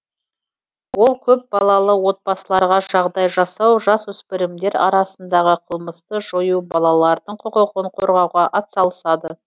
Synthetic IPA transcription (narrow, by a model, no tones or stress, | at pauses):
wo̞lˠkʲʰɵp̚bɑlˠɑlˠəwo̞t̪̚bɑsəlˠɑɾʁɑʒɑʁd̪ɑjʒɑsɑwʒɑswɵspɪɾɪmd̪e̞ɾɑ̰ɾɑsənd̪ɑʁəqʰəlˠməst̪əʒojubɑlˠɑlˠɑɾd̪əɴqʰəqəqəɴqʰo̞ɾʁɑwʁɑʔɑt̪sɑlˠəsɑd̪ə